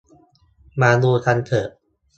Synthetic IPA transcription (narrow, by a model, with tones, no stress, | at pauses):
maː˧nuː˧t̪ʰa˧nt̪ʰɤː˨˩ʔ̚